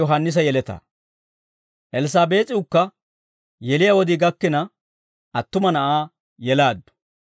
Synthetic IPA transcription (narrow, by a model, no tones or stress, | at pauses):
ɔɦɐnːɪs̬ɐjɛlɛt̪ɐ̰ | ʔɛlɪs̬aːbe̞ːt̪ʼɪʊkːɐ | jɛlɪjɐwɔd̪ɪɡɐkːɪnɐ | ɐt̪ːʊmɐnɐʔaː | jɛlaːd̪ːʊ̥